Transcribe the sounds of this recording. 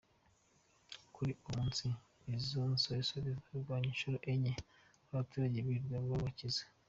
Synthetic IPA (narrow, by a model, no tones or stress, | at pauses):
kuɾiumuːnsi | ezonsoisoβizaiɾɡwaːɲinʃuɾoʔeɲe | aβatuːɾaɟeβiɾɡweββaβacize̥